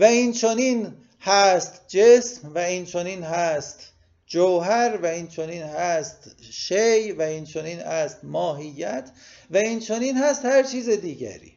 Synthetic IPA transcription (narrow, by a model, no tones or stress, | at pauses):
væiːnt͡ʃʰoniːn | hæːst̪d͡ʒesmvæiːnt͡ʃʰoniːnhæst̪ | d͡ʒowɦæɾvæiːnt͡ʃʰoniːnhæːst̪ʃejvæiːnt͡ʃʰoniːnæːst̪mɒːɦijːæt̪ʰvæiːnt͡ʃʰoniːnhæːst̪hæɾt͡ʃʰiːzed̪iːɟæ̰ɾḭː